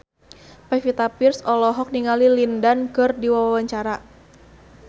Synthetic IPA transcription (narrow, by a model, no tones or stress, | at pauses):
pɛfit̪apirsɔlɔɦɔk̚niŋalilindankɨrdiwawawaɲt͡ʃaɾa